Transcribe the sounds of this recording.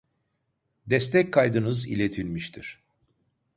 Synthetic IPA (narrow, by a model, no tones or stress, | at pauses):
d̪ɛst̪ʰɛc̚kʰːajd̪ɯnɯzḭlʲet̪ʰilʲmiʃt̪ʰiɾ̥